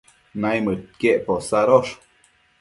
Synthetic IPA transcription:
najmɨt̪̚keʔposaɾoʂ

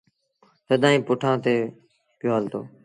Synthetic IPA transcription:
t̪əd̪ʱãːĩːpʊʈʰãːt̪eː | pjoːɦəlt̪o̰ː

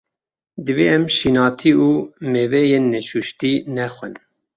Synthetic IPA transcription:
d̪ɨveːɛmʃinɑːt̪ʰiːuːmevɛjenːeʃuʃt̪iːnɛxʷɛn

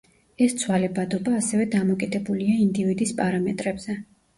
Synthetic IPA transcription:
ɛst̪sʰwalɛbad̪ɔbaːsɛvɛd̪amɔkʼid̪ɛbuliaind̪ivid̪ispʼaɾamɛt̪ʼɾɛbz̥ɛ

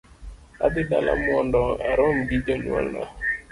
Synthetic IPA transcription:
a̰dɪdalʔa̰mʊɔndɔaɾɔm̩ɡid͡ʒɔɲwɔ̰lna̰

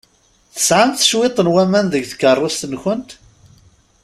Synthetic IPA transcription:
θə̥sʕant̪θə̥ʃwet̪ˤənwæmænðəɡθə̥kːərˤːost̪ənçʊnt̪

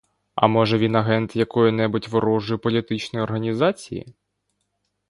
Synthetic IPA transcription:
ɐ̰mɔʒɛʋʲinɐɦɛnt̪jɐkɔjʊnɛbʊtʲʋɔɾɔʒʊjʊpɔlʲit̪ɪt͡ʃnɔjɔrɦɐnʲizɑt͡sʲḭjḭ

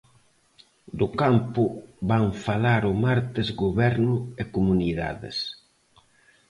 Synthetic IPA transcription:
d̪ʊkampʊβaŋfalaɾʊmaɾt̪ezɡoβɛɾnʊekumuniða̰ðḛs

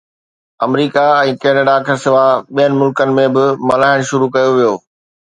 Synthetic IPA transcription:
ɐmɾiːkaɛ̃ːkɛːnəɖakʰɐsɪʋaɓijənɪ̆mʊlkənɪ̆mẽbɪmɐlaːɪɽ̃ʃʊɾukɐjoʋijoː

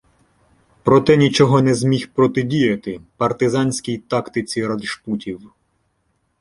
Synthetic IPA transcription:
pɾɔt̪ɛnʲit͡ʃɔɦɔnɛzmʲixpɾɔt̪ɪdʲijɐt̪ɪpɐrt̪ɪzɑnʲsʲkʲijt̪ɑkt̪ɪt͡sʲiɾɐd̪ʃputʲiw

